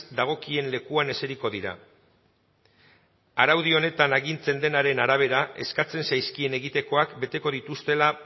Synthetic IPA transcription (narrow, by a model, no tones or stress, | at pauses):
d̪aɣ̞o̞kie̞nle̞kuane̞se̞ɾiko̞ðiɾa̰ | aɾawð̞io̞ne̞t̪anaɣint͡se̞nd̪e̞naɾe̞naɾaβ̞e̞ɾae̞̰skat͡se̞nsajskie̞ne̞ɣit̪e̞ko̞akbe̞t̪e̞ko̞ð̞it̪ust̪e̞la